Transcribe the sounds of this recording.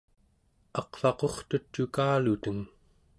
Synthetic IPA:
ɑqfɑqo̞χt̪ut͡ʃːukaːlut̪əŋ

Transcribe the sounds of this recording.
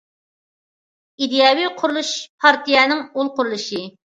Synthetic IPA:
id̪ijɑwiqʰʊɾulˠuʃpʰɑɾt̪ijɛnɪŋulˠqʊɾlˠuʃi

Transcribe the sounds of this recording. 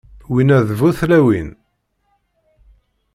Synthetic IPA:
winæðvuθlæwin

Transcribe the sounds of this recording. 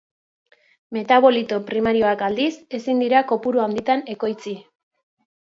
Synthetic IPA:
me̞t̪aβo̞lit̪o̞pɾimaɾio̞akald̪ise̞sind̪iɾako̞puɾuand̪it̪ane̞ko̞jt͡si

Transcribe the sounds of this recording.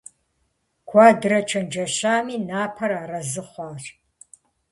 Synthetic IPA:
kʷʰaːdɨɾɐt͡ʃʰɐnd͡ʒɐɕaːmiːnaːpʰɐɾaːrɐzɨχʷɑːɕ

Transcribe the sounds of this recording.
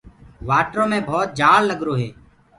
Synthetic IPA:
ʋaːʈɾõːmẽːbʱɔːt̪̚d͡ʒaːɽləɡɾoːɦeː

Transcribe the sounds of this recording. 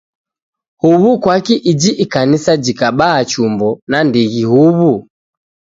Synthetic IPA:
huβukwakiʔid͡ʒiʔikanisad͡ʒikaɓaːt͡ʃumbɔnandiɣihuβu

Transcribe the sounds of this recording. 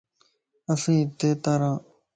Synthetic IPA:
əsĩːt̪eːt̪aːɾãː

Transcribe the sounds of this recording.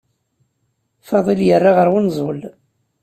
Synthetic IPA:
fɑðˤiljərːaʁəɾwʊnzˤol

